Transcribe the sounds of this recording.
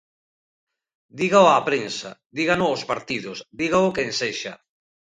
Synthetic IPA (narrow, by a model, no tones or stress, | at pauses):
d̪iɣaoapɾensa̰d̪iɣanoospaɾt̪iðʊsd̪iɣaokenseʃa̰